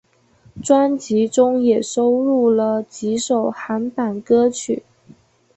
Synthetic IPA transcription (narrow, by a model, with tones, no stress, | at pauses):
ʈ͡ʂwa˥nt͡ɕi˧˥ʈ͡ʂʊ˥ŋjɛ˨˩ʂo˥ʊɻu˥˩lə˩t͡ɕi˧˥ʂo˨˩ʊxa˧˥npa˨˩nkɤ˥t͡ɕʰy˨˩˦